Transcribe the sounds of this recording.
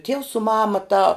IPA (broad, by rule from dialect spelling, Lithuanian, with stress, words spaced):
tʲiɛws sʊ ˈmɑːmɐ tɑː